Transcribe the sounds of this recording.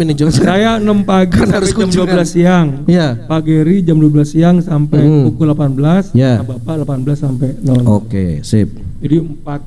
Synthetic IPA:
inɪd͡ʒosajanəmpaɡaaaʊskuamduabəlasiaŋijapaɡeɾid͡ʒamduwabəlasiaŋsampɛjpukulapanbəlasjabapaʔlapanbəlasːampɛjnanokḛsɪ̰p̚d͡ʒadiəmpat̪̚

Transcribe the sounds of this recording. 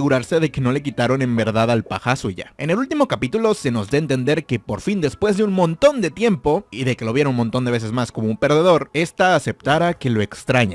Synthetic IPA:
ɣuɾaɾse̞ðe̞ke̞no̞le̞k̬it̪aɾo̞ne̞mbe̞ɾðaðalpaxasuʝa̰e̞ne̞lult̪imo̞kapit̪ulo̞se̞no̞zðaent̪e̞nd̪e̞ɾke̞po̞ɾfind̪e̞spwe̞zðe̞unmont̪o̞nd̪e̞t̪je̞mpo̞iðe̞ke̞lo̞β̞jeɾunmo̞nt̪o̞nd̪eβe̞se̞zmasko̞mo̞umpe̞ɾðe̞ð̞o̞ɾe̞st̪aːse̞p̚t̪aɾake̞lo̞e̞kst̪ɾaɲa

